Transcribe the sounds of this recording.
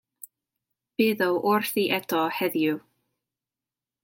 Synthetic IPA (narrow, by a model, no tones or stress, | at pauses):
b̥ɪðɔwʔʊrθiʔɛtʰɔhɛðju